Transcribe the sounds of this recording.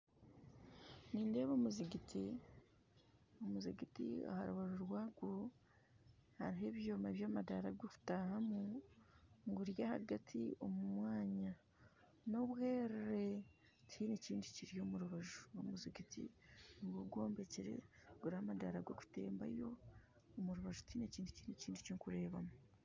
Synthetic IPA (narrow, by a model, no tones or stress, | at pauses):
niːnde̞ːβomuziɡiti | omuziɡitḭa̰ha̰ɾuβaʒuɾwaːɡo̞ | haɾiɦe̞ːβjoːmaβjamadaɾaɡoku̥tahamu | ŋɡuɾjaha̰ɡatʰio̞mumwaːɲa | no̞βwe̞ːɾeɾe | tʰineciːndiciɾijo̞muɾuβaʒuomuziɡitḭniɡoɡo̞ːmbe̞ciɾe̞̰ɡuɾihamadaɾaɡo̞ku̥te̞̰ːmba̰jo̞ː | muɾuβaʒutineciːnducineciːndiciŋkuɾe̞ːβamu